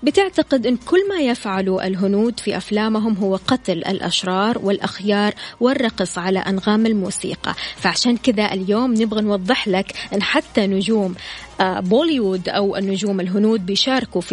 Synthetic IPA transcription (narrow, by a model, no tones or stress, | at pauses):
bɪt̪ɪʕt̪aqɪd̪ʔɪnːkʊlːmajɪfʕaluʔɪ̰lɦʊnuːd̪fiʔaflaːmɦʊmɦʊwːaqɑt̪lʔa̰lʔa̰ʃɾˤɑːɾˤwɪlʔaxjɑːɾˤwɪrˤːɑqɨsˤʕala̰ʔanɣaːmalmuːsḭːqɑ̰faʕaʃaːnkɪd̪aʔɪljoːmnɪbɣanwɑd̪ˤːɨħlakʔɪnːħat̪ːanʊd͡ʒuːm | bolwud̪ʔawnːʊd͡ʒuːmɪlɦʊnuːd̪̚bɪjʃɑːɾˤkuf